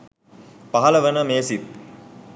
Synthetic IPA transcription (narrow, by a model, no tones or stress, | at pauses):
paɦɐləʋənəmeːsit̪